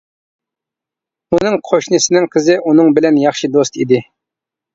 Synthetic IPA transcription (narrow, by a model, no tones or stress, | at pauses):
unɨŋqʰoʃnɨsɪnɪŋqʰəzɪʔunɨŋbɪlɛnjɑχʃid̪ost̪ʰid̪ɪ